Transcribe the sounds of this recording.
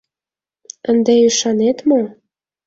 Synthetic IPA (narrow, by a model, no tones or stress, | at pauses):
ənd̪eyʃɑnet̪mo